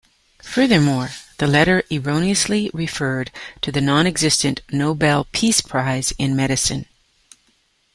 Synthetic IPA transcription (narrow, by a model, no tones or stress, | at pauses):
fɜ˞ðə˞mɔɹðɨlɛɾə˞ʔɪɹõʊ̃ñiɨsliɹɨfɜ˞d̚tʰɨðɨnɑ̃ñɨɡzɪstɨ̃nnoʊbɛlˠpʰispʰɹ̥aɪzɪ̃nmɛɾɨsɨ̰̃n